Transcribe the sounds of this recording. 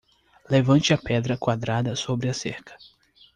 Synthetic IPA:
levɐ̃nt͡ʃɪɐpɛd̪ɾɐkwad̪ɾad̪ɐsobɾɪɐsḛɾkɐ̥

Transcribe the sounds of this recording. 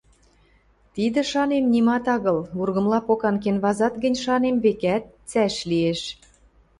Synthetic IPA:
t̪id̪ə̆ʃɑnemnʲimɑt̪ɑɣɤ̆lurɣɤ̆mlɑpokɑnk̬enβɑzɑt̪ɡə̆nʲʃɑnemβekæt̪̚t͡sæʃlieʃ

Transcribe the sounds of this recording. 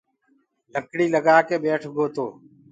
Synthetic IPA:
ləkɽiːləɡaːkeːɓeːʈʰɡʱoːt̪oː

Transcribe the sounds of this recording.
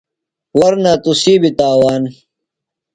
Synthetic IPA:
wɐɾnaːt̪usiːbit̪aːwaːn

